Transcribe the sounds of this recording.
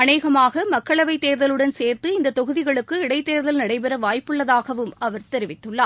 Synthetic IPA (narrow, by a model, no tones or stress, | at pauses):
ɐneːɣɐmaːɣɐmɐkːɐɭɐʋɐɪt̪ːeːɾðɐlɯɽɐnseːɾt̪ɯɪnd̪ɐt̪ɔɣɯðɪɣɐɭɯkːɯɪɽɐɪt̪ːeːɾðɐlnɐɽɐɪp̬ɛɾɐʋaːjpːɯɭːɐðaːɣɐʋɯmɐʋɐɾt̪ɛɾɪʋɪt̪ːɯɭːaː